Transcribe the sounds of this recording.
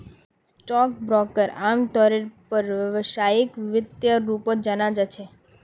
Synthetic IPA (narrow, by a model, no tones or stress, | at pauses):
sʈɔk̚bɾɔkəɾamt̪ɔɾeɾpəɾʋəʋʃajikʋɪt̪jəɾupod͡ʒənad͡ʒat͡ʃʰe